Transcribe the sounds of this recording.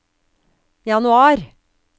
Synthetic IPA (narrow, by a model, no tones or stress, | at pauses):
jɑnʉɑːɾ